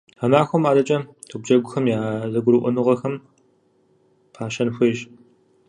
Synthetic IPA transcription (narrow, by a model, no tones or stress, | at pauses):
amaːxʷɔmaːdɐt͡ʃʼɐ | tʰɨb̚d͡ʒɐɡʷʊxɐmjaːzɐɡʷʊɾɨʔʷɔnuʁɐxɐm | pʰaːʃɐnxʷiːʒ